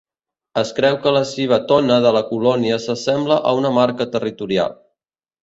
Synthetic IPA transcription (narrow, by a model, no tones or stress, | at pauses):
əskɾɛwkələsiβət̪ɔnəðələkulɔniəsəsɛmbləʔəunəmaɾkət̪ərit̪uɾia̰lˠ